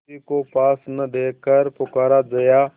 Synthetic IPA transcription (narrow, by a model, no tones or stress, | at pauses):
iːkoːpaːsnəd̪eːkəɾpʊkaːɾaːd͡ʒəjaː